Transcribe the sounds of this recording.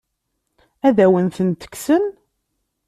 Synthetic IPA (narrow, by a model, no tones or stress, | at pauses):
æðæwənθənt̪ə̥ksən